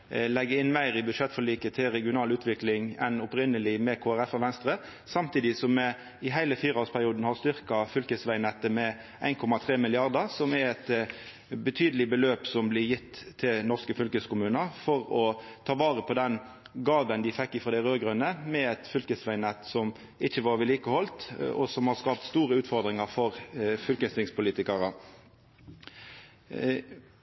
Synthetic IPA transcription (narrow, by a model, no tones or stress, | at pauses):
lɛɡːəɪnːmæɪɾɪbʉd̪ʃɛt̪ːfɔliːkət̪ʰɪlʁɛɡɪʊnɑːlʉːt̪ʰʋɪklɪŋɛ̰nʊpɾɪnːəlɪmɛkʰoːæɾɛfɔʋɛnst̪ʁə | sɑmt̪ʰiːd̪ɪsɔm | ɪɦæɪləfiːɾəoːspʰæɾɪuːd̪n̩hɑʁst̪ʏʁkɑfʏlkəsʋæɪnɛt̪ːəmɛ | ʔæ̰ɪnkʰɔmɑt̪ʰʁeːmɪlɪɑʁd̪əʁsɔmɛʁɛt̪ | bət̪ʰyːd̪əlɪbəløːpsɔmblɪjɪt̪ʰːɪlnɔʁskəfʏlkəskʊmʉːnəʁfɔʁɔt̪ʰɑːʋɑːʁəpʰɔd̪ɛn | ɡɑːʋənd̪ɪfɛkːɪfɾɔːd̪æɪʁøːɡʁʉnəmɛɛt̪fʏlkəsʋæɪnɛt̪ːsɔm | ʔɪçːəʋɑːɾʋɪliːkəhɔlt̪ɔsɔmhɑʁskɑːp̚t̪st̪uːʁəʉːt̪fɔʁd̪ʁɪŋɑʁfɔʁfʏlkəsɪŋspʊliːt̪ɪkɑʁə